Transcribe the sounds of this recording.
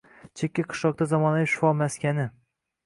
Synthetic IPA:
t͡ʃʰekʲːaqʰɨ̥ʃɒq̚t̪azɒmɒnaɪʃʊ̥fɒmaskʲanɪ

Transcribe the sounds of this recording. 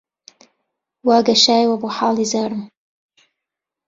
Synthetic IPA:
waːɡaʃaːjwaboħaːlˠizaːɾm

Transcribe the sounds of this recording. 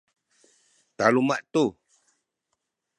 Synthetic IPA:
t̪alumaʔt̪u

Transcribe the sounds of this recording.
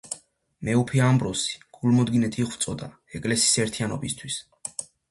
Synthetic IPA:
mɛupʰiambɾɔsi̥ɡ̥ulmɔd̪ɡinɛt̪ʰiiχwt̪sʼɔd̪a | ɛkʼlɛsi̥sɛɾt̪ʰianɔbist̪ʰwis

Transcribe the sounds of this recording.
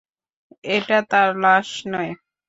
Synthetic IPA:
eʈat̪aɾlaʃnɔe

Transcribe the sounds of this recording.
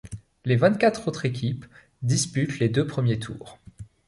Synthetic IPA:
levɛ̃t̪kʲat̪χot̪χekʲip | d̪ispyt̪led̪øpχəmjet̪ʰṵːʁ

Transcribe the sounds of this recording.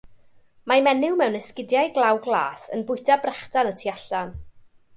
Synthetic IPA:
mamɛnɪwmɛwnɛskɪdjajɡlˠawɡlˠa̰ːsə̰nbʊjtʰabrɛχtanətʰiaɬan

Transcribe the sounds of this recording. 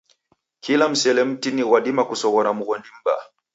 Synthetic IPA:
kilam̩sɛlɛm̩tiniɣwaɗimakusɔɣɔɾamuɣɔndim̩ba̰

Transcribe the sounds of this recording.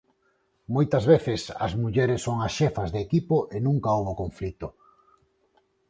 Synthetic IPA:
mojt̪ɐzβeθɪsɐ̰zmuʎɛɾɪsːoŋɐsʃefɐzðeːkipoʔenũŋkaowβokoɱflit̪o

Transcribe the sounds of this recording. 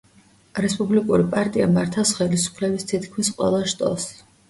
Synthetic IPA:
ɾɛspʼublikʼuɾipʼaɾt̪ʼiamaɾt̪ʰasχɛlisu̥pʰlɛbist̪ʰit̪ʰkʰmisqʼwɛ̰lˠaʃt̪ʼɔ̰s

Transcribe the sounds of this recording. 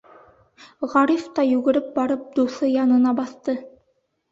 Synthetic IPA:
ʁɑɾift̪ɑjʉɡɘ̆ɾɘp̚bɑɾɤp̚d̪uθɤjɑnɤ̆nɑbɑθt̪ɤ

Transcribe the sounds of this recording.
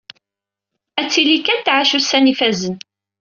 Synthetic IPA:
æt͡sːilikænt̪ːʕaʃusænifæzən

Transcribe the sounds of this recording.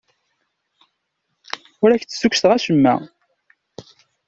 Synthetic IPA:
ʊɾæçt͡sːsukːθʁæʃəmːæ̰

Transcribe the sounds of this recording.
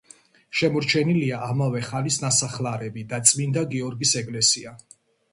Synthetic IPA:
ʃɛmɔɾt͡ʃʰɛniliaʔamavɛχanlisnasaχlaɾɛbid̪at̪sʼmind̪aɡiɔɾɡisɛɡʼlɛsia

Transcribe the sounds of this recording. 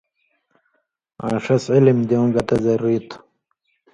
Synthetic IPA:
ã̰ːʂɐsʕilimd̪iõɡɐt̪ɐzerit̪ʰ

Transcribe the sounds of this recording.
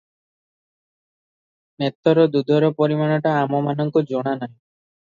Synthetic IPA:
net̪ːɔɾɔd̪ud̪ʱɔɾɔpɔɾimanɔʈaːmɔmanɔŋkud͡ʒoɽ̃anaj

